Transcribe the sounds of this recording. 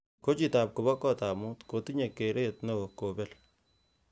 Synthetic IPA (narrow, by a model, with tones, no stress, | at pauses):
ko˦t͡ʃi˨ta˨p̚kʊ˨βɔ˦kɔ˦ta˨mu˦tko˨ti˦ɲe˨kːe˨ɾe˦tno˨ko˨bɛ˦l